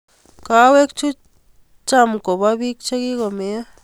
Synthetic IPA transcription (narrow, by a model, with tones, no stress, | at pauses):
ka˧˦we˦k̚t͡ʃu˦ | t͡ʃa˦˧˨mko˨ba˦bi˦k̚t͡ʃa˦ɡi˦ɡo˨me˧ja˦